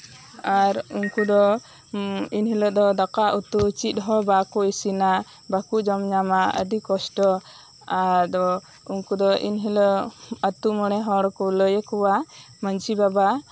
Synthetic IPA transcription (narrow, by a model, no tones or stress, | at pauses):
aɾunkud̪ɔ | inɦiləʔd̪ɔd̪akaʔut̪ut͡ʃit̪̚ˀɦɔbakɔisina | bakuʔd͡ʒɔmɲamaə̰ɖikɔsʈɔ | ad̪ɔ | uŋkud̪ɔʔḭnɦiləət̪uməɽɛɦɔɽɔkɔləjəkɔwa | mənt͡ʃibaba